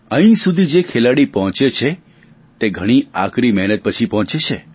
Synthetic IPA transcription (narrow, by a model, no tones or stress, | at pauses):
ə̃ɦĩsud̪ʱid͡ʒekʰelaɽipɔɦɔ̃t͡ʃet͡ʃʰe | t̪eɡʱəɽ̃iakɾimɛɦnət̪̚pət͡ʃʰipɔɦt͡ʃet͡ʃʰe